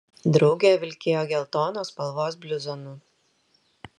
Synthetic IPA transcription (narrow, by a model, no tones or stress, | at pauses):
d̪ɾɒʊɡʲeːʋʲɪlʲkʲeːjoːɡʲɛlˠt̪oːnoːspɐlˠʋoːs̬bʲlʲʊzonʊ